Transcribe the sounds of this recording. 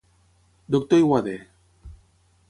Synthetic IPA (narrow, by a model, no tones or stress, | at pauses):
d̪ok̚t̪oiɣwaðe